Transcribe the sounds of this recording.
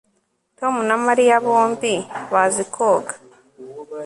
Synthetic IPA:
tomunamaɾijaβoːmbiβazikʰoːɡḁ

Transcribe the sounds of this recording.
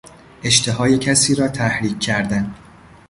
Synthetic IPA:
ʔe̞ʃt̪ʰe̞ɦɒːje̞cʰæsiːɾɒːt̪ʰæhɾiːkʰːæɾd̪æn

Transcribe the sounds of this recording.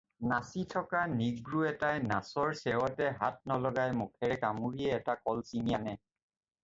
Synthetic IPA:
nasitʰɔkaniɡɹuɛtajnasɔɹsɛwɔtɛɦa̰t̚nɔlɔɡajmukʰɛɹɛkamuɹiɛːtakɔlsinijanɛ

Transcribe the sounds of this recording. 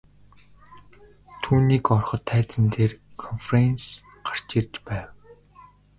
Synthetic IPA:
t̪ʰuːniːkɔrχɞ̆t̪ʰːæːt͡s̪ɘ̆nt̪eːrkʰɔnfrens | ɢ̥ḁr̥t͡ɕɪrt͡ɕpæːw

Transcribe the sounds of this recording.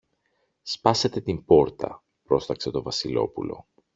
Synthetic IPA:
spɐse̞t̪e̞t̪imbo̞ɾt̪ɐ̰ | pɾo̞st̪ɐkse̞t̪o̞vɐsilo̞̰pulo̞̰

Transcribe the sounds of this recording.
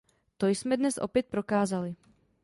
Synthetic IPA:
t̪o̞jsmɛdnɛsʔo̞̰pjɛt̪̚pɾo̞kaːzalɪ

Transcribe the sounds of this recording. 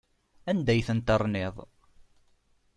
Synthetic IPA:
ænd̪æjθənt̪əɾˤnɪðˤ

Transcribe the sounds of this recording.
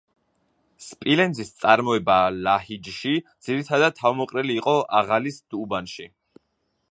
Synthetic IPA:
spʼilɛnd̪zist̪sʼaɾmɔɛbalahid͡ʒʃid̪z̥iɾit̪ʰad̪ad̪̚t̪ʰːavmɔqʼɾɛliːqʼɔʔaʁalisd̪̥ubanʃi

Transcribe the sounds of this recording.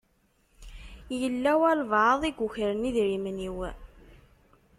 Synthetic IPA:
jəlːæwælvʕəðˤiɡʷuçəɾəniðɾiməniw

